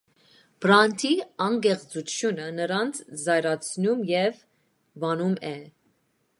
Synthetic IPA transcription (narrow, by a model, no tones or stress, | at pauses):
b̥ɾɑnt̪ʰiɑŋɡɛʁt͡sut͡sʰjunənəɾɑnt͡sʰzɑjɾɑt͡sʰnumjɛv | vɑnumɛ